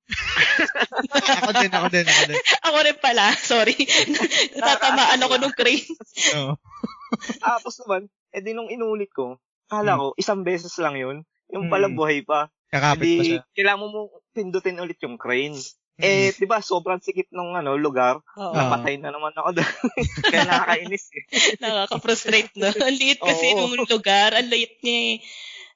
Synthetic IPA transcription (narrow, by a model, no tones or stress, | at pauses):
ɐoɪnɐkod̪ɪnɐkod̪ʔɐkoɾɪnpɐlasoːɾinnɐt̪aːt̪ɐmaːʔɐnɐkonʊŋkɾejno | t̪aːposnɐman | ɛd̪ɪnʊŋɪnuːlɪt̪̚ko̞ | kaːlako̞ʔɪsaŋbɛːsɛslɐŋjon | jʊŋpɐlɐŋbuhajpɐ | ɐkaːnikɐjlaːmomot̪ɪnd̪ʊt̪ɪnʊlɪt̪̚jʊŋkɾɛjn | ʔɛd̪ɪbaso̞ːbɾɐŋsɪkɪt̪̚nʊŋʔɐno̞lʊɡaɾonɐpɐt̪ɐjnɐnɐmanɐkod̪okɐjanɐkakɐʔɪnɪsɛnɐkakɐfɾʊst̪ɾejt̪̚noɐnlɪʔɪt̪ʔkɐsɪj̪ʊŋlʊɡaɾɐŋlɪʔɪt̪̚ɲɐ